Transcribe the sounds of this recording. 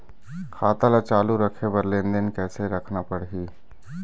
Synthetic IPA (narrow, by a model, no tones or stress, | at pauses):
kʰaːt̪alat͡ʃaːluɾəkʰebəɾlẽnd̪ənkɛːseɾəkʰnapəɽɦiː